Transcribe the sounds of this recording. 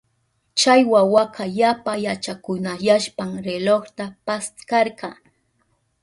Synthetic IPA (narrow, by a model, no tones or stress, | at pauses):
t͡ʃajwawakɑjapajat͡ʃakʊnajaʃpaŋɾeloχt̪apast̪kɑɾɢɑ